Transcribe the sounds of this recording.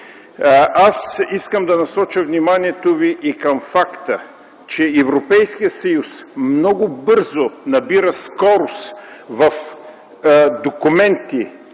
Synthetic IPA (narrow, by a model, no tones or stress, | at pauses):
ʔasiskəmd̪ɐnɐsɔt͡ʃəvnimaniɛt̪oviʔikɐmfakt̪ə | t͡ʃɛɛvɾopɛjskijət̪sɐjusmnɔɡʊbɤɾzonɐbiɾəskɔɾosvɐf | d̪okumɛnt̪i